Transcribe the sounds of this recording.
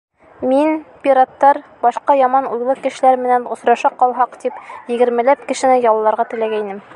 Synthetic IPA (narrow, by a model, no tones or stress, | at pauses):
minpʲiɾat̪ːɑɾbɒʃqɑjɒmɑnujlˠɤkɘ̆ʃɘ̆læɾmɘ̆nænŏsɾɑʃɑqɒlˠɦɑqt̪ipjɘ̆ɡɘ̆ɾmɘ̆læp̚kɘ̆ʃɘ̆nɘjɒlˠːɑɾʁɑt̪ɘ̆læɡæinɘm